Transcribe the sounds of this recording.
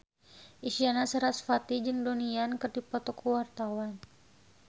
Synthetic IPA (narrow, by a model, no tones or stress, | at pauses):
ʔisianasəɾasfat̪id͡ʒɨŋdoniankɨrdipɔt̪ɔkʰuwart̪awan